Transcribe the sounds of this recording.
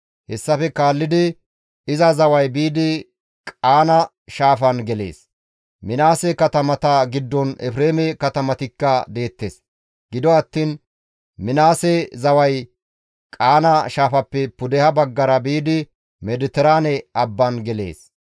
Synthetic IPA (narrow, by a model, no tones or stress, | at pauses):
hɛsːɐfɛkaːlːɪd̪ɪ | ɪzɐzɐwɐjbiːd̪ɪ | kʼaːnɐ | ʃaːfɐnɡɛle̞̰ːs | mɪnaːsɛkɐt̪ɐmɐt̪ɐɡɪd̪ːɔnɛfɾeːmɛkɐt̪ɐmɐt̪ɪkːɐd̪e̞ːt̪ːe̞̰ːs | ɡɪd̪ɔɐt̪ːiːn | mɪnaːsɛzɐwɐj | kʼaːnɐʃaːfɐpːɛpʊd̪ɛhɐbɐɡːɐɾɐbiːd̪ɪ | mɛd̪ɪt̪ɛɾaːnɛʔɐbːɐnɡɛle̞̰ːs